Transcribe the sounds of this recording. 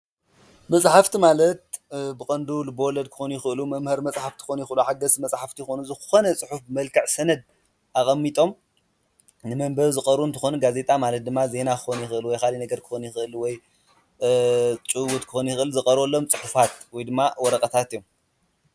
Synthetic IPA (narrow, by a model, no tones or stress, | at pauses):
mɐsʼħaft̪ʰimalɐt̪̚bɨkʼɐnd̪ulɨbowɔlɐd̪̚kʰɨ̥xonjɪxɨʔɨlumɐmhɐɾmɐt͡sʼħaft̪ʰi̥xonjɪxɨɨluħaɡɐsmɐt͡sʼħaft̪ʰijxonuzɨxo̞nɐt͡sʼɨħufbɨmɐlkʰɐʕsɐnɐd̪̚ | ʔaχʼɐmːit̪ʼo̞m | nɨmɐmbɐɾzɨkʼɐɾunt̪ɨxonuɡaze̞t̪ʼamalɐt̪̚d̪ɨmːaze̞nakɨ̥xonjɪxɨɨlwɔjkalinɐɡɐɾkʰɨ̥xonjɪxɨʔɨlwɔj | t͡ʃʼuwut̪kʰɨxonjɪxɨʔɨlzɨkʼɐɾolːomt͡sʼɨħufat̪wɔjd̪ɨmːawɔɾɐkʼɐt̪ʰat̪ijːom